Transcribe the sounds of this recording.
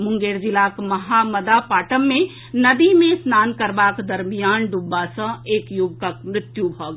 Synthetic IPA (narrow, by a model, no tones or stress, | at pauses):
mʊ̃ŋɡeːɾd͡ʒɪlaːkmɐɦaməd̪apaːʈəmːẽ | nəd̪imẽsnaːnkəɾbaːkd̪əɾmijaːnɖubːasə̃eːkjʊɡ̚t̪əkmɾɪt̪jubʱəɡ